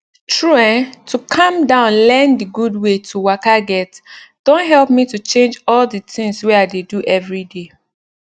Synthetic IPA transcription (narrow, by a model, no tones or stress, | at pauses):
tɹuãntʰukʰãmdãʊ̃nlɛ̃ndiɡudwetʰuwakaɡɛtd̥õntɦɛlˠp̚mitut͡ʃẽnd͡ʒɔlditɪ̃ŋsweaɪdeduʔɛvɹide